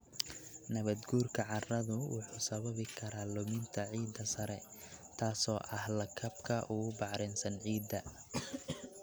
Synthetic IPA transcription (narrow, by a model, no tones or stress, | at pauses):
nɐβɐd̪ɡuːrkʰɐʕɑrɐðʊwʊ̰ħuːsɐβɐβɪkʰɐɾaːlʊmɪnt̪ʰɐʕiːd̪ɐsɐɾɛt̪ʰaːsɔːʔɐhlɐkʰɐbkʰɐʔʊɣʊbɑʕɾɪnsɐnʕiːd̪ːɐ